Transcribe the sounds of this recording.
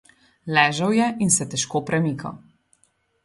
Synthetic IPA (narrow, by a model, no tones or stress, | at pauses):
lɛːʒɐwjɛʔinsɛt̪ɛʃkoːpɾɛmiːkʰɐ̰w